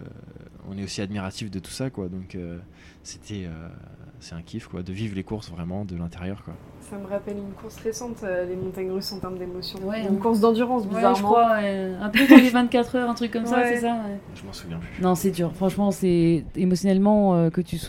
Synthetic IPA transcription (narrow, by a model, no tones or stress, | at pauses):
ɔ̰̃nɛosiad̪miʁat̪ifd̪ət̪u̥sakwad̪ɔ̃kø | se̥t̪ʰɛø̰sɛ̥t̪ɛ̃kʲʰifkwa̰d̪əvivʁlekuʁsvʁɛmɑ̃d̪əlɛ̃t̪eʁjœʁkwa̰ | saməʁapɛlynkʰuʁsʁesɑ̃t̪ølemɔ̃t̪aɲʁysɑ̃t̪ɛʁmd̪emɔsjɔ̃wɛynkuʁsd̪ɑ̃d̪yʁɑ̃sbiɛzaʒəkkχwaɛɛ̃pøt̪avɛvɛ̃t̪̚kat̪χœʁɛ̃t̪χykːɔmsasɛsawɛʒəmɑ̃suvjɛ̃plynɔ̃sɛd̪yːʁfχɑ̃ʃmɑ̃sɛemɔsjɔnɛlmɑ̃økət̪ys